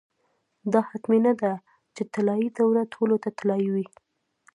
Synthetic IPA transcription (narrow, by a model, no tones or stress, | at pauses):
d̪ɑhat̪minad̪a | t͡ʃet̪alɑid̪awɾat̪ʰolot̪at̪alɑiwi